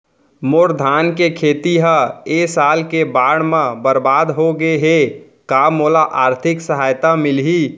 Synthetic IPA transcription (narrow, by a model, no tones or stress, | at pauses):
moːɾd̪ʱaːnkekʰeːt̪iɦəesaːlkebaːɽ̃mẽbəɾbaːd̪ɦoɡəeɦe | kaːmːoːlaʔaːɾt̪ʰɪksəɦaːjt̪amɪlɦi